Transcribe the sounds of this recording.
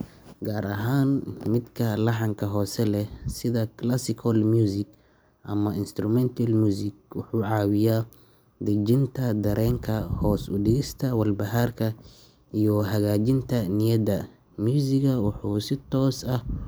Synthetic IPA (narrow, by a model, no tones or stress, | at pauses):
ɡaːɾɐɦaːnmɪd̪kʰɐlɑħɑŋkʰɐɦɔːsɛlɛsɪðɐkʰlasɪkʰɐlmjuːsɪk | ʔɐmɐɪnst̪ɾʊmɛnt̪ʰɐlmjuːsɪkwʊħuːʕɑːwɪjaː | d̪ɐd͡ʒɪnt̪ʰɐd̪ɐɾʔɛːŋkʰɐhɔːsʊdɪɣɪst̪ʰɐwɐlbɐɦaːrkʰɐ | ʔijɔɦɐɣaːd͡ʒɪnt̪ʰɐnɪjɐd̪ɐ | mjuːsɪɣɐwɑħuːsɪt̪ʰɔːsɐh